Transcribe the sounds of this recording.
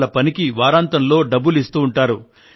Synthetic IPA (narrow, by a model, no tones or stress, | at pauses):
lɐpɐnikiʋaːɾaːnt̪ɐnlo̞ːɖɐbːulist̪uːɳʈaːɾu